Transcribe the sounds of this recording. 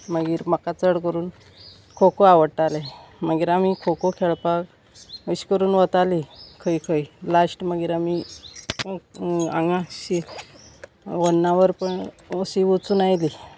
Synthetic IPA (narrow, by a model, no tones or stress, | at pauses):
məɡiːɾməkat͡səɽkəɾuːn | kʰokoaʋəɽʈaleməɡiːɾamikʰokokʰeɭpak | əɕkəɾuːnʋət̪alikʰəjkʰəjlasʈməɡiːɾami | a̰ŋɡãɕi | ʋənːaʋəɾpəɳ | əɕiʋot͡suːnajli